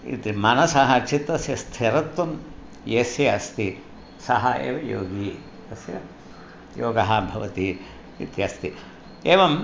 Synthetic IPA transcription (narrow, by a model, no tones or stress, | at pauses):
ḭt̪imɐnɐsɐɦɐt͡ʃʰit̪ːɐsjɐst̪ʰeɾɐt̪ːɐm | jesjɐɐst̪i | sɐɦɐḛːʋɐjoːɡi | ɐsjɐ̰ | joːɡɐɦɐbʱɐʋɐt̪i | it̪jɐst̪i | eːʋɐm